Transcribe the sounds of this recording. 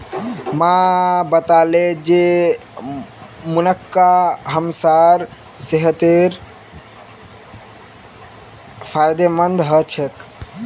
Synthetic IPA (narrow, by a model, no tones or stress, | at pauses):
mãbət̪aled͡ʒe | munəkːaɦəmsaɾ | seɦət̪eɾ | pʰajd̪emənd̪ɦət͡ʃʰək